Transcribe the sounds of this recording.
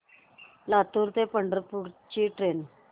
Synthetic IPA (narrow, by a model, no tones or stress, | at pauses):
lat̪uɾt̪epəɳɖəɾpuɾt͡ɕiʈɾen